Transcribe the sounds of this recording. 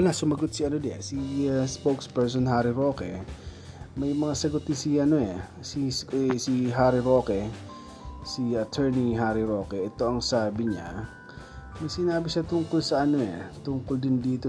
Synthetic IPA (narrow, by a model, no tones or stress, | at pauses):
lŋasʊmɐɡot̪̚siʔɐnod̪ɛʔa̰sispokspɛɹsonɦaːɾɪɾo̞ːkɛ̰ | mɐjmɐŋasɐɡʊt̪ɪnsiʔɐnoɛ | sisiɦaːɾɪɾoːkɛ | siɐt̪ʰɛɹniɦaːɾɪɾo̞ːkɛʔɛt̪o̞ʔɐŋsaːbɪɲa̰ | mɐjsɪnaːbɪʃat̪ʊŋkʊlsɐʔɐno̞ʔɛ̰t̪ʊŋkʊld̪ɪnd̪iːt̪o